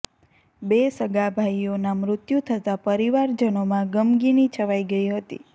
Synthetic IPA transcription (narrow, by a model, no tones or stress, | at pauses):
besəɡabʱajonamɾʊt̪jut̪ʰət̪apəɾiʋaɾd͡ʒənomãɡəmɡinit͡ʃʰəʋaiɡəiɦət̪ḭ